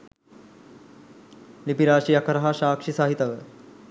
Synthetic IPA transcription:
lipiɾaːɕijɐkʰɐɾɦaɕaːkʂisaːɦit̪ɐʋə

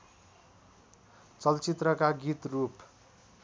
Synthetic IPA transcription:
t͡sʌlt͡sit̪rʌkaɡit̪rup

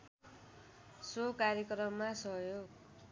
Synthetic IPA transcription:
sokaɾjʌkrʌmːasʌɦjoɡ

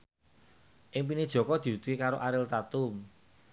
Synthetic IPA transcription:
ʔɪŋp̬ined̥ʒ̥ɔ̤kɔd̪̥i̤ut̪ukekaɾoʔaɾɪlt̪at̪ʊm

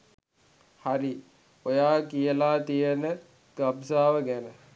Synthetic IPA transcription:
haɾi | ojaːkijəlaːt̪ijənə | ɡ̥absaːʋəɡænə

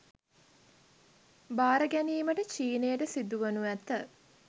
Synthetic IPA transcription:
baːɾəɡæniːməʈət͡ʃiːnejəʈəsid̪uʋənuæt̪ːə

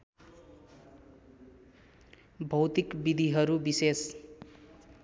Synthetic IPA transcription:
bʱʌwt̪ikbid̪ʱiɦʌɾubises

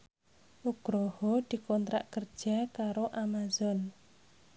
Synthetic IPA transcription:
ʔuɡ̥ɾɔhɔd̪̥i̤kɔnt̪ɾa̰ʔkər̥ʒ̥a̤kaɾoʔamazɔn

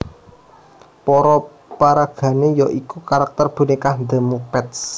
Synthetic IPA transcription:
pɔɾɔ | paɾaɡ̥ä̤nejɔʔikukaɾak̚t̪ərb̥ṳnikahnd̪əmupɛt̪s

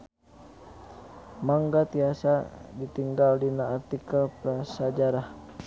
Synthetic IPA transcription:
maŋɡat̪iasadit̪iŋɡaldinaːrt̪ikalpəɾasad͡ʒaɾah

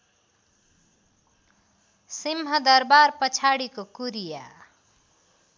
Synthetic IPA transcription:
simɦʌd̪ʌɾbaɾpət͡ʃʰaɽikokuɾija̰

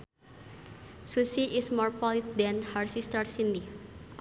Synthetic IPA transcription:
susiʔɪsmɔrpɔlit̪̚dɛ̃nharsist̪ərsindi

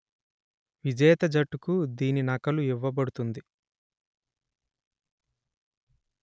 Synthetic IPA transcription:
ʋid͡ʒɛːɐt̪ɐd͡ʒɐʈːukud̪iːninɐkɐluiʋːɐbɐɽut̪und̪i

